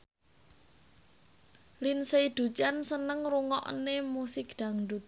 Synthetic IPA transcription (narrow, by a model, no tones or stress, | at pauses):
linseid̪̥ṳt͡ʃansənəŋɾuŋɔ̰ʔnemusɪkd̪̥a̤ŋɖut̪̚